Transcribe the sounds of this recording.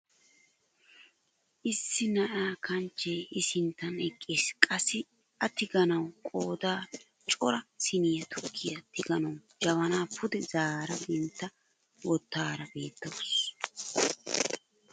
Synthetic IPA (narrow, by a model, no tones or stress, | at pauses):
ʔɪsːɪnɐʔaːkɐnt͡ʃːeːʔɪsɪnt̪ːɐnɛkʼːeːskʼɐsɪ | ʔɐt̪ɪɡɐnɐwkʼoːd̪aː | t͡ʃʼɔɾɐsɪnɪjɐt̪ʰʊkʰːɪjɐt̪ɪɡɐnɐw | d͡ʒɐβɐnaːpʰʊd̪ɛzaːɾɐbɛnt̪ːɐ | wɔt̪ːaːɾɐbe̞ːt̪ːɐws